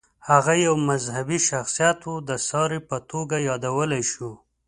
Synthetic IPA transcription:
haɣajawmazhabiʃaxsijɑt̪ud̪əsɑɾepət̪oɡajɑd̪awəlajʃu

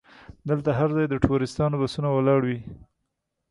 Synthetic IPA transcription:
d̪əlt̪aɦaɾzɑjd̪əʈʰoɾɪst̪ɑnobasunawalɑɽwi

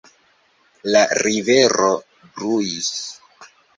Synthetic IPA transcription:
laɾive̞ɾo̞ | bɾujis

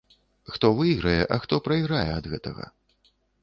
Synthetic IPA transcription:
xt̪ɔvɨjɣɾɐjɛʔɐxt̪ɔpɾɐjɣɾajɛɐd̪ɣɛt̪ɐɣɐ̰

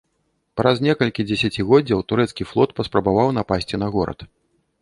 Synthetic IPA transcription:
pɾʔɐznʲɛkɐlʲkʲid͡zʲɛsʲat͡sʲiɣɔdd͡zʲɐwt̪uɾɛt̪skʲiflˠɔt̪pɐspɾɐbavawnapasʲt͡sʲinɐɣɔɾɐ̰t̪

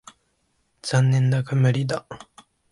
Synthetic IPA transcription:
z̥ãnːẽnd̪akamɯɾʲid̪a

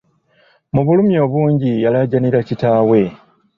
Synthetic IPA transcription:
muβulumjo̞ːβuːɲɟijalaɟaniɾacitaːwe̞

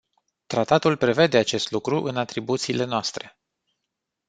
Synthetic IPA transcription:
t̪ɾat̪at̪ulpɾe̞ve̞d̪e̞at͡ʃe̞st̪lukɾuʔɨnat̪ɾibut̪siːle̞noast̪ɾe̞

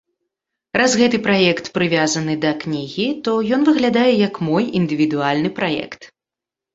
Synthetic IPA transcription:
ɾazɣɛt̪ɨpɾajɛkt̪pɾɨvʲazɐnɨd̪ɐknʲiɣʲit̪ɔjɔn̪vɨɣlʲad̪ajɛjɐkmɔjind̪ɨvʲid̪ualʲnɨpɾajɛ̰kt̪

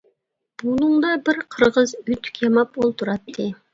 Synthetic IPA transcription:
b̥unˠuŋd̪ɑbɪɾqʰəɾʁəzyt̪ʰːy̥kʲʰjɑmɑpolˠt̪ʰuɾɑt̪ʰːɨ

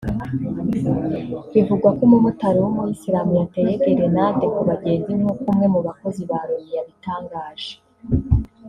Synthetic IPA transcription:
βivuɡwakomumutaɾewumujisiɾaːmujate̞jeɡeɾenadekuβaɟe̞ːnzinhokumŋe̞muβako̞ziβaɾomijaβitaːŋɡaːʒe̥

